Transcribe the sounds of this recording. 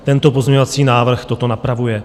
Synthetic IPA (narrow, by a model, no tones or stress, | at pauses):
t̪ɛnt̪o̞pozɲɛɲovat͡siːnaːvr̩xt̪o̞t̪o̞napɾavujɛ